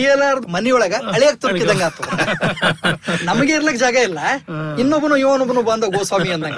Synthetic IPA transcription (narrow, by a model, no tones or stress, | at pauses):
iɛlaːɾɐd̪umɐnijɔɭɐɡɐɐɭijaːk̚t̪uɾkid̪ɐŋɡaːt̪u | nɐmɐɡeiɾlɐkd͡ʒaːɡɐilːɐinːobːunujuːɐnobunubɐnd̪ɐɡoːsʋaːmiɐnd̪ɐŋɡɐ